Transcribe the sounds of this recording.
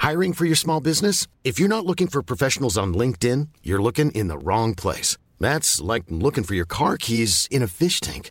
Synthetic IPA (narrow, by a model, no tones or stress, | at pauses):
haɪɹɪ̃ŋfə˞jə˞smɔlˠbɪznɨsɨfjə˞nətˡlʊkɪ̃ŋfə˞pʰɹ̥əɔfɛʃn̩l̩ˠzn̩lɪ̃ŋk̚tɪ̃njə˞lʊkɪ̃ŋʔɪ̰̃nðə̰ɹɔ̃ŋpʰl̥ḛɪs | ðætslaɪk̚lʊkɪ̃ŋfə˞jə˞kʰɑɹkʰizɨ̃nɨfɪʃtʰæ̰̃ŋk